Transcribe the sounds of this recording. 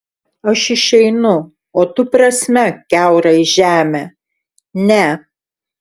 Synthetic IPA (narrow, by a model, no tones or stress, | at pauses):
ɐʃɪʃʲɛɪnʊ | oːt̪ʊpɾɐsʲmʲɛkʲæˑʊɾɐɪʒʲæːmʲeː | nʲɛ